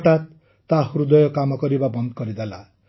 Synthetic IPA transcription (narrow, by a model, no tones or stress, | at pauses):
ʈat̪ː | aɦuɾud̪ʌjɔkamʌkʌɾibabʌnd̪kʌɾid̪ela̰